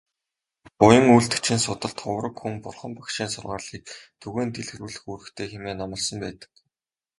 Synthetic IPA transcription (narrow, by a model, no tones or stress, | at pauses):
pʊjə̆ŋuɮt̪ɘ̥̆kt͡ɕʰĭnsʊt̪ə̆ɮt̪ʰχʊwrə̆kxumpʊrχə̆mpḁkʃiːnsʊrʁaːɮiːk̚t̪ʰɵɣeːnt̪eɮxɘ̆ruːɮɘ̆xuɾɘ̆xt̪ʰeːxemeːnamə̆ɮsə̆mpæːt̪ə̥̆k